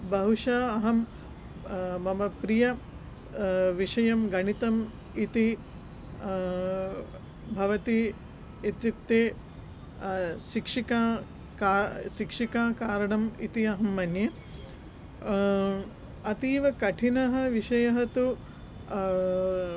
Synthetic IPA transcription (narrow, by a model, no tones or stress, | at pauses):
bɐɦuʂɐːɦɐm | mɐmɐpɾijɐ | ʋiʂɐjɐmɡɐɳit̪ɐm | it̪i | bʱɐʋɐt̪i | et̪jik̚t̪eː | ʃikʂikaː | kaːʃikʂikaːkaːɾɐɳɐmit̪iɐɦɐmːɐnje | ɐt̪iːʋɐkɐʈʰinɐɦɐ̆ʋiʃɐjɐɦɐt̪u